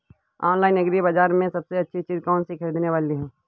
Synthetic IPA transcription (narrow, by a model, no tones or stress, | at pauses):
ɔːnlaːɪnɐɡɾibad͡ʒaːɾmẽsɐbseɐtːʃʰit͡ʃiːzkɔːnsikʰɐɾiːd̪neʋaːliɦɛː